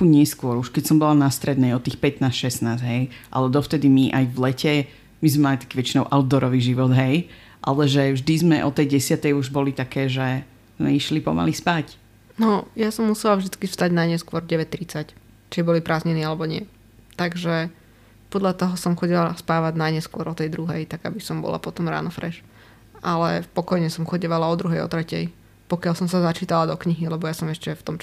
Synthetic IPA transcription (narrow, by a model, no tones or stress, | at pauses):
uɲɪɛskʊɔɾuʃkɛcsɔmbɔanast̪ɾɛd̪nɛjɔt̪iːxpɛt̪naːsʃɛsnaːzɦɛjʔa̰lɛd̪ɔft̪ɛd̪imiʔajvlɛcɛ | mizmɛmalit̪ḁkiːʋɛt͡ʃinɔʊʔaʊd̪ɔɾɔʋiːʒiʋɔd̪ɦɛj | ʔa̰lɛʒɛvʒd̪izmɛʔɔt̪ɛjɟɛsɪat̪ɛjuʒbɔlit̪akɛːʒɛ | z̥mɛ̰iʃlipɔ̰ma̰lispac | nɔjasɔmːusɛlavʒd̪it͡skifst̪aɟnaɲɛskʊɔɾɟɛʋɛct̪ɾit͡sac | t͡ʃibɔlipɾaːzɲɛniːalɛbɔɲɪɛ | t̪aɡʒɛ | pɔd̪ʎat̪ɔɦɔsɔmxɔɟilaspaːʋaɟnajɲɛskwʊɔɾɔt̪ɛjd̪ɾuɦɛjt̪aɡabisɔmbɔ̰la̰pɔt̪ɔmɾa̰ːnɔfɾɛʃ | ʔalɛ̰pɔkɔjɲɛsɔmxɔɟiʋalaɔd̪ɾuɦɛjɔ̰t̪ɾɛcɛ̰j | pɔkɪalsɔmsazat͡ʃiːt̪alad̪ɔkɲiɦilɛbɔjasɔmɛʃcɛft̪ɔm